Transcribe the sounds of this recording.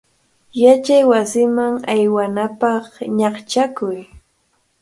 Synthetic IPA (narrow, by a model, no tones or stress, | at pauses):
jat͡ʃajwasɪmaŋajwanapɑχɲɑχt͡ʃakʊj